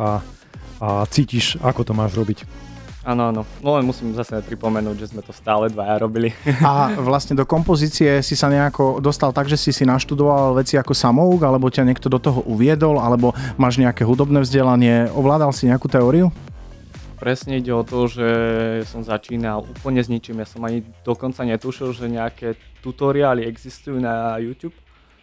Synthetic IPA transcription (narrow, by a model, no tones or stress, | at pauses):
a | at͡siːciʃakɔt̪ɔmaːʒɾɔbicaːnɔanɔnɔlɛnmusiːmzasɛpɾipɔmɛnuːɟʒɛzmɛt̪ɔst̪aːlɛd̪ʋajaɾɔbiliaʋlasɲɛd̪ɔkɔmpɔziːt͡siɛsisaɲɛakɔd̪ɔst̪alt̪aɡʒɛsisinaʃt̪ud̪ɔʋalʋɛt͡siakɔsamɔuɡalɛbɔcaɲɪɛk̚t̪ɔd̪ɔt̪ɔɦɔʔuʋɪɛd̪ɔlalɛbɔmaːʒɲɛakɛːɦud̪ɔbnɛːvzɟɛlaɲɪɛʔɔʋlaːd̪alsiɲɛakut̪ɛɔːɾiu | pɾɛsɲɛiɟɛɔt̪ɔʒɛsɔmzat͡ʃiːnaluːpl̩ɲɛzɲit͡ʃimjasɔmaɲid̪̥ɔkɔnt͡saɲɛt̪uʃilʒɛɲɛakɛt̪ut̪ɔɾiaːliɛɡzist̪ujuːnajuːt̪juːp